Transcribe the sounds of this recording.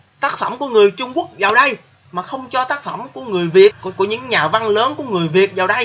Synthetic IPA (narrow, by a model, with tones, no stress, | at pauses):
t̪aː˦˥k̚fə˧˩mku˧˩əŋɨ˨˩əjt͡ɕʊ˧ŋ͡mku˦˥ək̚zaː˨˩wɗə˧j | maː˨˩xə˧wŋ͡mt͡ɕɔ˧t̪aː˦˥k̚fə˧˩mku˧˩əŋɨ˨˩əjvi˨˩ət̚ku˧˩əɲɨ̰˧˥ŋɲaː˨˩va˧nləː˨˦nku˧˩əŋɨ˨˩əjvi˨˩ət̚zaː˨˩wɗə˧j